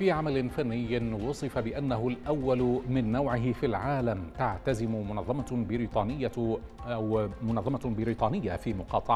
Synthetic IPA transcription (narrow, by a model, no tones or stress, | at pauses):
fiːʕamalɪnfanːɪjːwʊsˤɨfabɪʔanːaɦʊlʔawːalmɪnːawʕɪɦɪfilʕaːlamt̪aʕt̪azɪmʊmʊnɑðˤːɑmabɪɾit̪ˤɑːnɪjːa | awmʊnɑðˤːɑmabɪɾiːt̪ˤɑːnɪjːafiːmʊqɑːt̪ˤɑʕ